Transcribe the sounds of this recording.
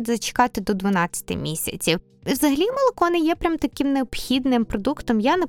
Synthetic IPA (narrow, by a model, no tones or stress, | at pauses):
d̪zɐt͡ʃɪ̥kɑt̪ɪd̪ɔd̪ʋɐnɑt͡sʲːɐ̥t̪ɪ̰mʲisʲɐ̰t͡sʲiw | wzɐɦɐlʲimɐlˠɐkɔnɪjɛpɾʲamt̪ɐkɪmneɔpxʲid̪nɪmpɾɔd̪ukt̪ɔmjane